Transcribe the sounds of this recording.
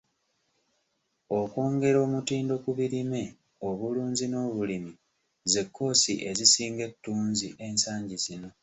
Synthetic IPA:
o̞kwo̞ːŋɡe̞ɾo̞ːmutiːndo̞kuβiɾime̞ | o̞βuluːnzino̞ːβulimi | ze̞kːo̞ːsiʔe̞zisiːŋɡe̞tːuːnziʔe̞nsaːɲɟizino̞

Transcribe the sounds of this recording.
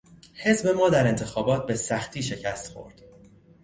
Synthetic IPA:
he̞zbe̞mɒːd̪æɾe̞nt̪ʰe̞xɒːbɒːt̪̚be̞sæxt̪ʰiːʃe̞cʰæst̪xo̞̰ɾd̪̥

